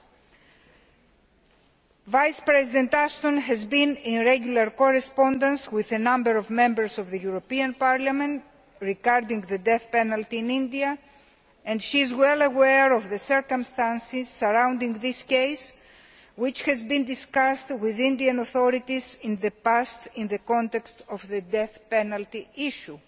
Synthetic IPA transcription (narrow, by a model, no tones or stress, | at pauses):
vajspɾezid̪ẽnt̪ast̪õnɦɛzbĩnĩnɾeɡulɐɾkoɾespõnd̪ɐ̃nswiðenɐ̃mbeɾovmẽmbəɾsovðejuɾopiɐ̃npaɾlɐmẽnt̪ | ɾiɡaɾd̪ĩŋðed̪eθpenɐlt̪ĩːnĩnd̪iɐ | ẽnd̪ʃiːzwelɐweɾovðeseɾkomst̪ãnsiz̥ːɐɾãwnd̪ĩŋɡðiskejs | wit͡ʃhɛzbĩnd̪iskast̪wiðĩnd̪iɐnoθoɾit̪izĩnðepast̪ĩnðekõnt̪ekst̪ovðed̪eθpenɐlt̪iiʃu